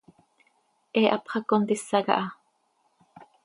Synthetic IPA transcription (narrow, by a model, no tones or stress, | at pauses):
ʔeːʔɑpχɑkont̪isːɑɣɑ̰ʔɑ